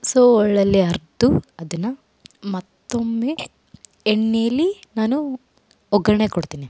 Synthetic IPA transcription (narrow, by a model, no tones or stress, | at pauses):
soːɔɭːɐlːeɐɾd̪uɐd̪ɐnːɐ | mɐt̪ːomːeː | eɳːeːɐlːinaːnu | ɔɡɐɾɐɳekoɽt̪iːni